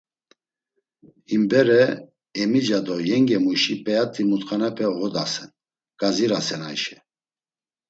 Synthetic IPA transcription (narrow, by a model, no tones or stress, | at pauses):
himbɛɾɛ | ɛmid͡ʒad̪ɔjɛŋɡɛmuʃipʼɛjat̪ʰːimut̪χanɛpʰɛɣɔd̪asɛn | ɡ̥aziɾasɛnajʃɛ